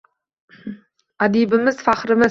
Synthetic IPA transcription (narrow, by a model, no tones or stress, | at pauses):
ad̪ibɪmɪzfaχɾɪmɪ